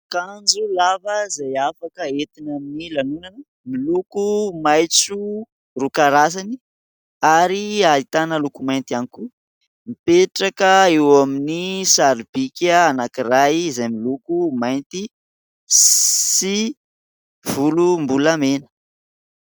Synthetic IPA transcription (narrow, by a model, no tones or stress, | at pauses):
kand͡ʒulavəzajafakəet̪inaminilanunanə | milukumajt͡su | rukaɾas̬ani | aɾialit̪anəlukumajnt̪ianiku | mipeʈ͡ʂakəewaminisaɾib̥ikʲəanakirajzajmilukumajnt̪i | ssi | v̥ulumbulamenə̥